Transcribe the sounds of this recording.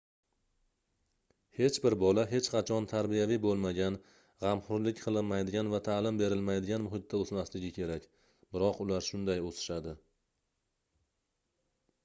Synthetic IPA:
he̞t͡ʃbɪɾbɒlaɦe̞t͡ʃqʰɑt͡ʃʰɒnt̪ʰaɾbijavibolˠmaɡʲan | ʁɑmχʊɾlɪkʲqʰɨlˠɪnmajd̪ɪɡʲanvat̪ʰalɪmbe̞ɾɪlmajd̪ɪɡʲanmʊɦɪt̪ːaozmaslɪɡʲɪkʲʰe̞ɾakʲ | b̥ɪɾɒqʊlaɾʃʊnd̪ajosɪ̥ʃad̪ɪ

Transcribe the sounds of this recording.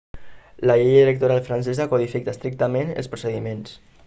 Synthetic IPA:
laʎejðiɾək̚t̪uɾalfɾansɛzakuðifikast̪ɾik̚t̪amẽnə̰lˠspɾusəðimẽns

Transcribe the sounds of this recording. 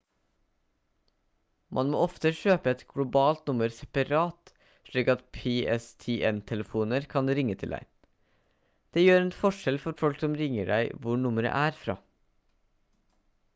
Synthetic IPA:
mʔɑnmo̰ːɔft̪əʃøːpəɛt̪ɡ̥lʊbɑːlt̪nʊməɾsɛpɑɾɑːt̪ | ʃɭiːkɑt̪pʰeːʔɛst̪ʰeːʔɛnt̪ʰɛləfuːnəɾkʰɑnɾɪŋət̪ʰɪld̪æ̰ɪ | d̪̥eːjøːɾɛnfɔʃɛlfɔɾfɔlksɔmɾɪŋəɖæɪʋʊɳʊməɾə̰ʔæːɾfɾɑ̰ː

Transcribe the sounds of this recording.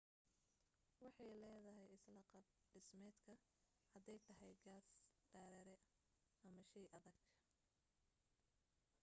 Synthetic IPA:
wɑħɑjlɛːðɐɦɛjɪslɐqɑɖɪsmɛːd̪kʰɐ | hɐd̪ɛjt̪ʰɐɦɛjɡaːsd̪̥aːɾɛɾɛ | ʔɐmɐʃijʔɐðɐɡ̥

